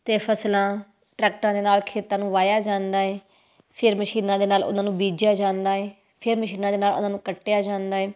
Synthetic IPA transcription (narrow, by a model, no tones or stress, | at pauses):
t̪eːpʰəslãː | ʈɾɛːk̚ʈãːd̪eːnaːlkʰeːt̪ãːnũːʋaːjaːd͡ʒãːnd̪aːɦɛː | pʰɪɾməʃiːnãːd̪eːnaːlʊ̰nãːnũːbiːd͡ʒjaːd͡ʒãːnd̪aːɦɛː | pʰɪɾməʃiːnãːd̪eːnaːlʊ̰nãːnũːkəʈːejaːd͡ʒãːnd̪aːɦɛː